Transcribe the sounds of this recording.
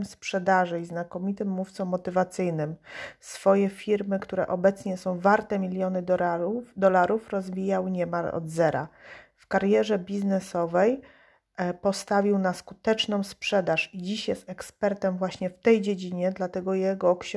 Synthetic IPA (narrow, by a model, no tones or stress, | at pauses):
mspʂɛd̪aʐɘiznakɔmʲit̪ɘmːuft̪sɔmːɔt̪ɘvat̪sɘjnɘmsfɔjɛfʲiɾmɘkt̪uɾɛ̰ʔɔbɛt̪sɲɛsɔ̃w̃vaɾt̪ɛmʲilʲjɔnɘ | d̪ɔlaɾufɾɔzvʲijawɲɛmalɔ̰d̪zɛɾa̰fkaɾjɛʐɛbʲiznɛsɔvɛj | pɔst̪avʲiwnaskut̪ɛt͡ʂnɔ̃w̃spʂɛd̪aʂid͡ʑiɕjɛst̪ɛkspɛɾt̪ɛmvwaɕɲɛft̪ɛjd͡ʑed͡ʑiɲɛd̪lat̪ɛɡɔjɛɡɔːkɕ